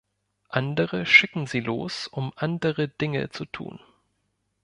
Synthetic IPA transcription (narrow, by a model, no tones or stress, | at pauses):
ʔandəʁəʃɪkŋ̩ziːlo̰ːsʊmʔandəʁədɪŋə̰t͡sutʰṵːn